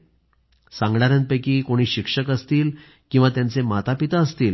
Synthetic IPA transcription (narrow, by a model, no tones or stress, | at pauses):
sãŋɡɽaɾə̃npəjkiːkoɽ̃iːɕikʂəkəst̪iːl | kĩw̃ʋat̪jant͡semat̪apit̪aəst̪iːl